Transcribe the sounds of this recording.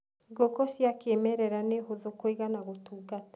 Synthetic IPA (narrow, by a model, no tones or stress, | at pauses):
ɡokɔsjakemɛɾɛɾaneɦoðokoiɣanaɣotuːɡatḁ